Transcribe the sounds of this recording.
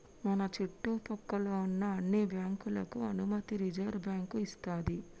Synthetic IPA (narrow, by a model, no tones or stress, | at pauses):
mɐnɐt͡ʃiʈːuːpɔkːɐloːunːɐːnːibjaːŋkulɐkuɐnumɐt̪iɾid͡ʒɐːɾbjaːŋkuist̪aːd̪i